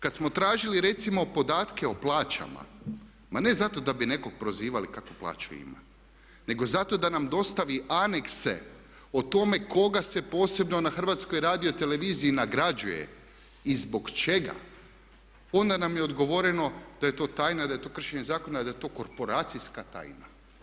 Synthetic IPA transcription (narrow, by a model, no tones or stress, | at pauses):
kad̪smo̞t̪ɾaːʒiliɾe̞t̪simo̞po̞d̪aːt̪ke̞o̞plˠaːt͡ʃa̰ma̰ | mane̞zat̪o̞d̪abine̞ko̞k̚pɾo̞ziːʋalikakoplˠa̰ːt͡ʃṵḭma̰ | ne̞ɡo̞zat̪o̞d̪anamd̪o̞st̪aʋiʔane̞kse̞̰ | ot̪o̞me̞ko̞ɡase̞po̞ːse̞bno̞naxr̩ʋat̪sko̞jɾaːd̪ijo̞t̪e̞le̞ʋiːziːnaɡɾad͡ʒujḛ | izbo̞ɡt͡ʃe̞ɡa̰ | o̞nd̪anamjeo̞d̪ɡo̞ʋo̞ɾeno̞d̪̥aje̞t̪o̞ːt̪aːjnad̪aje̞t̪o̞ːkr̩ʃe̞ɲe̞zaːko̞naid̪ajet̪o̞ːkoɾpo̞ɾaːt̪sijskat̪a̰ːjna̰